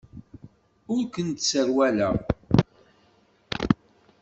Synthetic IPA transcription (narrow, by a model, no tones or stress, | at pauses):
ʊɾkənt̪səɾwælæ